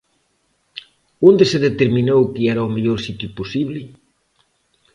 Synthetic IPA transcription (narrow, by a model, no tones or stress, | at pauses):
ond̪ɪseðet̪eɾminowkɪɛɾaomeʎoɾsit̪juposiβlɪ